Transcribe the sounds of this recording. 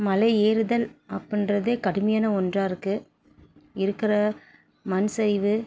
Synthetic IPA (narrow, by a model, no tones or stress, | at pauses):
mɐlɐɪeːɾɯðɐlɐpːɯndrɐðeːkɐɽɯmɐjaːnɐɔndraːɾɯkːɯ | ɪɾɯkːɪrɐ | mɐnsɐɪʋɯ